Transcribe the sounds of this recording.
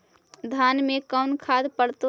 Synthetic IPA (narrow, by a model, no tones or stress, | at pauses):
d̪ʱanmekəʊnkʰad̪pəɽt̪